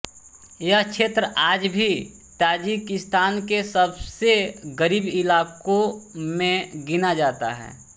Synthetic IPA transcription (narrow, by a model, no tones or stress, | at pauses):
jakʃʰeːt̪ɾəʔaːd͡ʒbʱi | t̪aːd͡ʒikɪst̪aːnkesəbseɡəɾiːbɪlaːkõmẽɡɪnad͡ʒaːt̪a̰ɦɛ̰ː